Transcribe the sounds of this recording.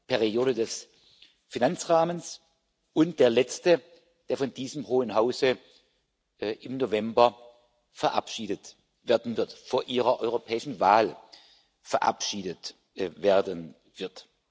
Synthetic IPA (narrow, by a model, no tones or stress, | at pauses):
pʰɛʁioːɾədɛs | finant͡sʁaːməns | ʔʊntd̥eːɐlɛt͡stə | d̥eːɐfɔndiːzəmhoːənɦaʊzə | ʔɪmnovɛmbɐ | fɛɐʔa̰pʃiːdət | veɐdn̩vɪɐtfoɐʔiːʁɐʔɔʏʁopʰɛːɪʃn̩vaːl | fɛɐʔa̰pʃiːdət | veːɐdən | v̥ɪɐt